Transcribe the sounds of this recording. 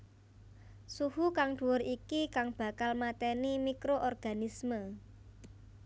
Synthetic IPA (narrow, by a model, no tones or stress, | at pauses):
suhukaŋɖ̥uwʊɾikikaŋb̥a̤kalmat̪enimikɾoʔɔrɡ̥a̤nismə